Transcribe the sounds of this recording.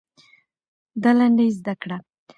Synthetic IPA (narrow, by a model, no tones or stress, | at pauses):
d̪alaɳɖajzd̪akɽa